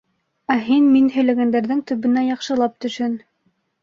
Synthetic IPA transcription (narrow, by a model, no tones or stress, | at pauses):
æɦinminhɵ̆jlæɡænd̪æɾðɘŋt̪ɵ̆βɘ̆næjɑqʃɤ̆lˠɑp̚t̪ɵ̆ʃhɘn